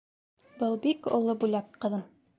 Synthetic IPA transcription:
bɤlˠbikŏ̰lˠobulɑkqɤ̆ðɤm

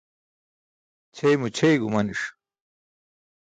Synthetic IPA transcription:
t͡ɕʰejmut͡ɕʰejɡumɐniʂ

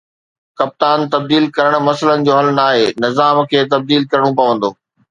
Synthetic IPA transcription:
kɐp̚t̪aːnt̪ɐb̚d̪iːlkɐɾəɽ̃̆mɐsələnɪ̆d͡ʑoːɦɐlnaːɦeːnɪzaːmkʰeːt̪ɐb̚d̪iːlkɐɾəɽ̃ũpɐʋə̃nd̪oː

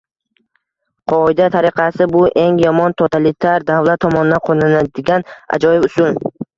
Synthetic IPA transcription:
qʰɒɪd̪at̪ʰaɾɪqʰɑsɪbʊʔe̞ŋjɒmɒnt̪ʰot̪ʰalɪt̪ʰaɾd̪avlat̪ʰːɒmɒnɪd̪anqʰonanad̪ɪɡʲana̰d͡ʒɒjɪbʊsʊn

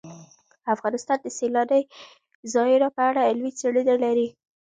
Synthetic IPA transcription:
afɣɑnɪst̪ɑnd̪əselɑd̪əj | zɑɪɾapəaɽalwit͡seɽid̪alaɾi

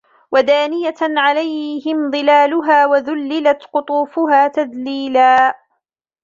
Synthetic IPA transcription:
wad̪aːnɪjaʕalajhɪmðˤɨlaːlʊɦaːwaðʊlːɪlat̪qʊt̪ˤuːfʊɦaːt̪aðliːlaː

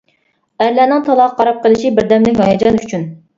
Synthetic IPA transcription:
æɾlɛnɪŋt̪ʰɑlˠɑqqːɑɾɑp̚qəlˠɪʃibɪɾd̪ɛmlɪkʲhɑjɑd͡ʒɑnyt͡ʃʰyn

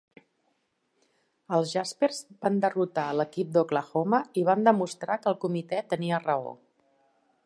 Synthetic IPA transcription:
əlˠzʒasperzband̪ərut̪aələkip̚d̪okləxoməiβand̪əmust̪ɾakəlˠkumit̪ɛt̪əniərəo̰

